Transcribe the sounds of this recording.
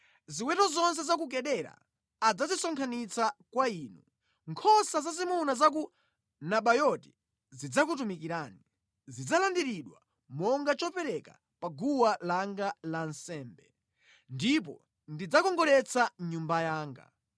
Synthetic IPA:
ziwɛtɔzɔns̬ɛzak̬uk̬ɛɗɛɾa̰ː | d͡zazisɔŋkʰanit͡sakwaiːnu | ŋkʰɔsazazimunazak̬u | naɓajɔti̥ | zid͡zakutumikiɾaːni | zid͡zalandiɾiɗwa̰ | mɔŋɡat͡ʃɔpɛɾɛka̰ | paɡuwalaŋɡalansɛːmbɛ | ndip̬ɔ̰ | ndid͡zakɔŋɡɔɾɛt͡sʰaɲumbajaːŋɡa̰

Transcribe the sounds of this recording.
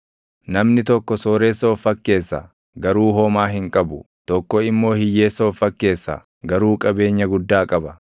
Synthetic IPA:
nɐmnɪt̪ɔkːɔsoːɾeːsɐfːɐkːe̞ːsːɐ̰ | ɡɐɾuːɦɔmaːɦɪŋkʼɐbʊ | t̪ɔkːɔɪmːo̞ːhɪjːeːsɔːfːɐkːe̞ːsːɐ̰ | ɡɐɾuːkʼɐbe̞ːɲːɐɡʊd̪ːaːkʼɐbɐ

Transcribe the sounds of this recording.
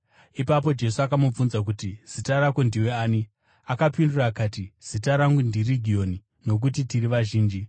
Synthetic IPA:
ipap̬o̞d͡ʒe̞suakamub͡vunzak̬utiz̥itaɾakwendiweaːni | akapinduraːkaːtiz̥itaɾaŋɡundiriɡʱijo̞ni | no̞k̬utitiɾiʋaʒiːnd͡ʒi

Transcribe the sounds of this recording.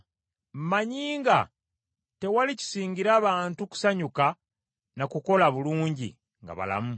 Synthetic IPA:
m̩maɲiːŋɡa̰ | te̞walici̥siːɲɡiɾaːβaːntuku̥saɲuka | nakuko̞laβuluːɲɟḭ | ŋɡa̰βa̰la̰mu

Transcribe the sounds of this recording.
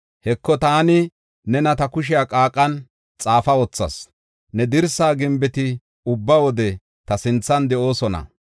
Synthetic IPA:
hɛkːɔt̪aːnɪ | nɛnɐt̪ɐkʊʃ̬ɪjaːkʼaːkʼːɐn | t͡sʼaːfɐwɔt͡sːɐ̰s | nɛd̪ɪɾsaːɡɪmbɛt̪ɪ | ʊbːɐwɔd̪ɛ | t̪ɐsɪnt͡sːɐnd̪ɛʔo̞ːsɔnɐ̰

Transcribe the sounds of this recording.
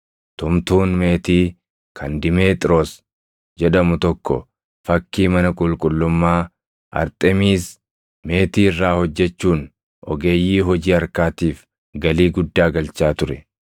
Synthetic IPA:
t̪ʊmt̪uːnme̞ːt̪iː | kʰɐnd̪ɪme̞ːt̪ʼɾoːs | d͡ʒɛᶑɐmʊt̪ɔkːɔ̰ | fɐkːiːmɐnɐkʼʊlkʼʊlːʊmːaː | ʔɐ̰ɾt̪ʼɛmiːs | me̞ːt̪iːrːaːhɔd͡ʒːɛt͡ʃːuːn | ʔɔɡe̞ːjːiːɦɔd͡ʒiːɐɾkaːt̪iːf | ɡɐliːɡʊd̪ːaːɡɐlt͡ʃːaːt̪ʊɾɛ

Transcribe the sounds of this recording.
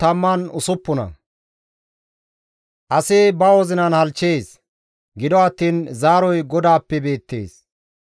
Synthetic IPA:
t̪ɐmːɐnʊsʊpːʊnɐ̰ | ʔɐsɪbɐwɔzɪnɐnhɐlt͡ʃːeːs | ɡɪd̪ɔɐt̪ːiːnzaːɾɔjɡɔd̪aːpːɛbe̞ːt̪ːe̞̰ːs

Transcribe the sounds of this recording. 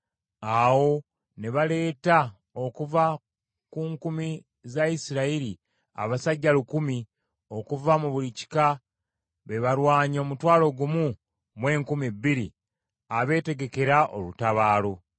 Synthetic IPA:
awo̞ | ne̞βale̞ːta | o̞kuva | kuːŋkumi | zaisiɾaiɾi | a̰βasaɟːalukumi | o̞kuvamuβulici̥ka | βe̞βaɾwaːɲo̞mutwaːlo̞ɡumu | mwe̞ːŋkumibːiɾi | aβe̞ːte̞ɡe̞ke̞ɾaʔo̰lutaβaːlo̞

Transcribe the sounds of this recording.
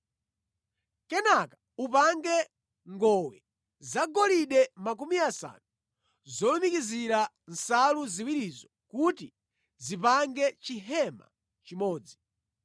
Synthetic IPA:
kɛnakḁ | upaŋɡɛ | ŋɡɔwɛ | zaɡɔliɗɛmak̬umiasa̰nu | zɔlumikiziɾa | nsaluziwiɾizɔkuti | zipaŋɡɛt͡ʃiɦɛma̰ | t͡ʃimɔːd͡zi

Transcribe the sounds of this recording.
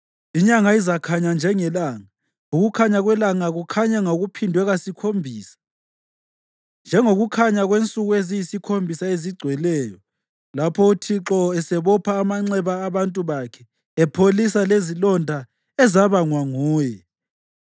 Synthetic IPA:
iɲaŋaizakʰaɲand͡ʒʱɛŋɛlaːŋa | uɣukʰaɲaɣwɛlaŋaɣukʰaɲɛŋoɣupʰindʱwɛɣasikʰombʱiːsḁ | nd͡ʒʱɛŋoɣukʰaɲaɣwent͡sʼuɣuezijisikʰombʱisaeziɡ͡ǀʱwɛlɛːjɔ | lapʰɔutʰiǁɔɛsɛβɔpʰaːmaŋ͡ǀɛβaːβantʼuβakʰɛː | pʰolisalezilɔndʱa | ɛzaβaŋwaŋuːjɛ

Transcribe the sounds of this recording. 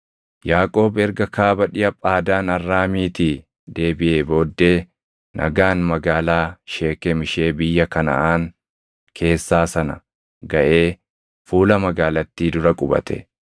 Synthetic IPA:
jaːkʼo̞ːbɛɾɡɐkaːbɐᶑɪjʔɐpʼaːd̪aːnɐrːaːmiːt̪iː | d̪e̞ːbɪʔeːbo̞ːd̪ːe̞ː | nʔɐ̰ɡaːnmɐɡaːlaːʃe̞ːkemɪʃe̞ːbɪjːɐkɐnɐ̰ʔaːn | kʰe̞ːsːaːsɐnɐ̰ | ɡɐʔe̞ː | fuːlɐmɐɡaːlɐt̪ːiːd̪ʊɾɐkʼʊbɐ̰t̪ʰɛ̰

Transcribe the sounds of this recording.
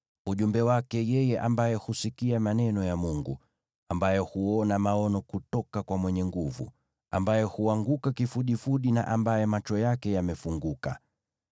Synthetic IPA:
uʄumbɛwakɛjɛjɛʔambajɛhusikiamanɛnɔjamuŋɡṵ | ambajɛhuɔnamaɔnɔkutɔkakwamwɛɲɛŋɡuvṵ | a̰mbajɛhuaŋɡukakifuɗifuɗina̰ʔambajɛmat͡ʃɔjakɛjamɛfuŋɡuka̰

